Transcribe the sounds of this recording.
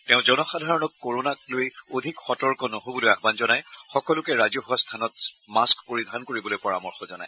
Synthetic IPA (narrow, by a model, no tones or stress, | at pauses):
tɛʊ̃zɔnɔxadʱaɹɔnɔkːoɹonaklojodʱikxɔtɔɹkɔnoɦobɔlojaxbanzɔnajxɔkɔlʊkɛɹazɔɦuastʰanɔt | maskpoɹidʱankoɹibɔlojpɔɹamɔɹxɔzɔna̰j